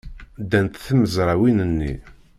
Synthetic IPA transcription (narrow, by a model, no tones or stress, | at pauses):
d̪ænt̪θəməzɾˤɑwinənːḭ